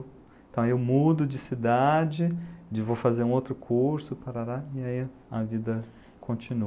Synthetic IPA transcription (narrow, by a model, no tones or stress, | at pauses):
ẽt̪ɐ̃w̃ewmud̪ʊd͡ʒɪsid̪ad͡ʒɪd͡ʒɪvofazeɾũowt̪ɾʊkʰuɾsʊpaɾaɾaiai | ɐvid̪ɐ | kʰõnt͡ʃinu